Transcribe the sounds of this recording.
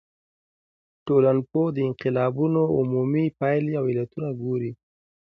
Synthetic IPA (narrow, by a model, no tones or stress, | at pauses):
ʈolanpod̪əɪnqɪlɑbunoʊmumipajlawɪlat̪unaɡoɾi